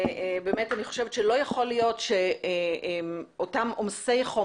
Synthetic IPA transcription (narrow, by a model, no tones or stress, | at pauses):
bemetaniχoʃevtʃelo̞jaχo̞lijo̞tʃe | otamomse̞jχo